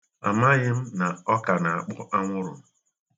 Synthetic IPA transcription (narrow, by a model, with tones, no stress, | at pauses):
a̰˨ma˦ɣɪ˦m̩˦na˨ɔ˦ka˨na˨a˨k͡pɔ˦ʔa˦ŋʷʊ˦ɾʊ̰˨m̩˨